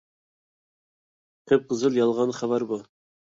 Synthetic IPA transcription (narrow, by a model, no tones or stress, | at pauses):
kʰɵp̚qɤ̆zɤlˠjɑlˠʁɑnχæβæɾbu